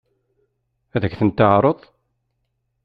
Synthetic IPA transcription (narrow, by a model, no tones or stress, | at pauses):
æðəçθənt̪ːəʕɾˤoðˤ